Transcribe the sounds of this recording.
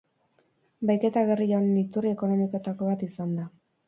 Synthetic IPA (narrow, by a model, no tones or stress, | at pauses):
bajke̞t̪aɣe̞rionːit̪urieko̞no̞miko̞t̪ako̞β̞at̪isand̪a